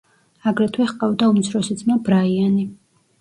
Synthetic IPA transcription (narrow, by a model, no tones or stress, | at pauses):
aɡɾɛt̪ʰwɛsqʼavd̪aumt̪sʰɾɔsid̪sʼmabɾaiani